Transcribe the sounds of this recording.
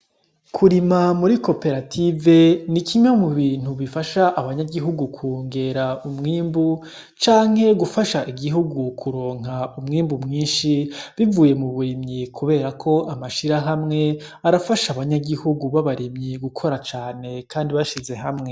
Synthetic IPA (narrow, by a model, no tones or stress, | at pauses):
kʰuɾimamuɾiko̞pe̞ɾatʰive̞nikʰiɲamuβiːn̥huβifaʃaʔaβaɲaɡiɦuɡukʰuːŋɡe̞ɾaumŋiːmbu | t͡ʃaːŋ̥he̞ɡufaʃaʔiɡiɦuɡukʰuɾo̞ːŋaumŋiːmbumŋiːnʃiβivuːje̞muβuɾimɲikʰuβe̞ːɾakʰo̞ʔamaʃiɾaɦamŋe̞ | aɾafaʃaβaɲaɡihuɡuβaβaɾimɲiɡukʰo̞ɾat͡ʃaːne̞kʰaːndiβaʃize̞ɦamŋe̞